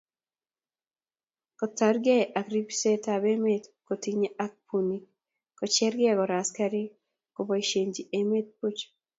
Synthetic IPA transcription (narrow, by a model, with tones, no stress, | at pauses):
kɔ˨ta˨ɾɡe˦ʔa˨kɾi˦pi̥˦se˦tabe˦me˦t̪ko˨tiɲe˦a˦k̚pʰuni | kɔ˨t͡ʃɛ˦ɾɡɛ˦kɔ˨ɾa˨ska˦ɾi˦ | kobɔ˨ʃe˨ɲd͡ʒie˨me˦t̪̚pu˦t͡ʃ